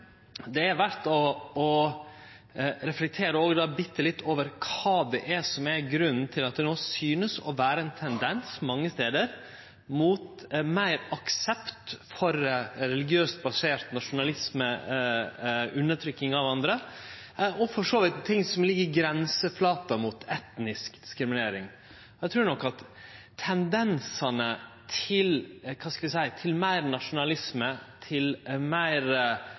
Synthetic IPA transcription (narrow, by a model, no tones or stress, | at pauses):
d̪ɛæɾʋæɾt̪ɔɔ | ɾɛflɛk̚t̪ʰeːɾəoːɡd̪ɑːbɪt̪ːəlɪt̪ːʰoːʋəɾkʰɑːd̪ɛʔæsɔmæɾɡɾʉnːn̩t̪ʰɪlɑt̪̚d̪ɛnoːsyːnəsɔ̰ʋæːɾəɛnt̪ʰɛnd̪ɛnsmɑŋːəst̪eːd̪əɾ | muːt̪ | mæɪɾɑksɛpt̪fɔɾɾɛlɪɡɪøːst̪̚bɑseːɾt̪nɑʂʊnɑlɪsmə | ʉnːət̪ʰɾʏkːɪŋɑʋɑnd̪ɾə | ʔɔfɔʂoːʋɪt̪t̪ʰːɪŋːsɔmlɪɡːəɾɡɾɛnsəflɑːt̪ɑmut̪ʰɛt̪nɪskd̪̥ɪskɾɪmɪneːɾɪŋ | ɔæɪt̪ʰɾʉːɳɔkːɑt̪ʰː | ɛnd̪ɛnsɑnət̪ʰɪlkʰɑːskɑlʋ̪ɪsæɪt̪ʰɪlmæɪɾnɑʂʊnɑlɪsmət̪ʰɪlmæɪɾ